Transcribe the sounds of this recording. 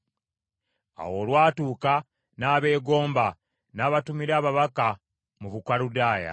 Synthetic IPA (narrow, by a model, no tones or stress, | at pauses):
a̰wo̞ːlwaːtuːka | naːβe̞ːɡo̞ːmba | naːβatumiɾaːβaβaka | muβukwaludaːja̰